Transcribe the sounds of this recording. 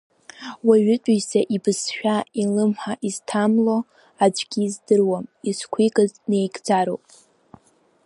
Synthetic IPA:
waɥʏtʼisaʔibɨsʃᶣailɨmħaʔiztʰamlo̞ | ad͡ʒʷʰʼɡʲizdɨrwamiskʷʰikʼazne̞jɡʼd͡zaɾo̰wpʼ

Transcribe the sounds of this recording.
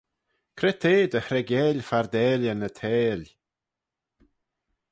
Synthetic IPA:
kʰɾɛt̪ʰeːd̪əhɾɛɡjɛːlʲfaɾd̪ɛːlənət̪ʰɛːlʲ

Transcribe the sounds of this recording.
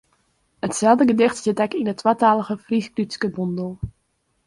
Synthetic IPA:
ətsɛlˠdəɡədɪχtsɪtɛkɪnətːwaːtaːləɣəfrisklytskəbɔndəlˠ

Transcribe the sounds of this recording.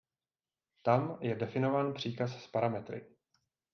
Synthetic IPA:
t̪amjɛdɛfɪno̞vaːnpr̝̥iːkasspaɾamɛt̪ɾɪ̰

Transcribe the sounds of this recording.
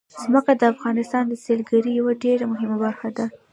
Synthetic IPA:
z̥məkad̪əafɣɑnɪst̪ɑnd̪əselɡaɾijawaɖeɾamʊɦɪmabaɾxad̪a

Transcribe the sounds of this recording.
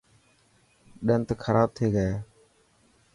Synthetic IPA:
ɗənt̪ːkʰəɾaːb̚t̪ʰeːɡəeː

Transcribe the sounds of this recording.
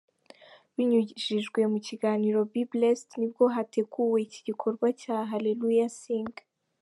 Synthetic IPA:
βiɲuʒiʒɡwe̞muciɡaːniɾo̞biblestnib̚ɡo̞ɦate̞ɡuwe̞iciɟikʰo̞ɾɡwacaːɦalelujasiːŋɡ

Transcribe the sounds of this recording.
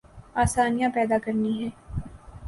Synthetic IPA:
aːsaːnijãpɛːd̪akɐɾniɦɛ̃ː

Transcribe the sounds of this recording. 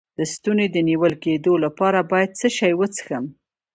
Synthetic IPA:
d̪̥əst̪uned̪əniwəlked̪olapɑɾabɑjad̪̚t͡səʃɑjwət͡sə̥xəm

